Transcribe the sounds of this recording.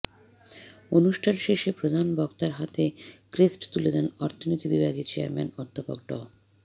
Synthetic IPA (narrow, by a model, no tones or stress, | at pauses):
onuʃʈʰanʃeʃepɾod̪ʱanbɔkt̪aɾɦat̪ekɾesʈt̪uled̪ɛnɔɾt̪ʰonot̪ʰibibʱaɡit͡ɕea̰ɾmenɔd̪ʱːopo̰ɡ̚ɖɔ̰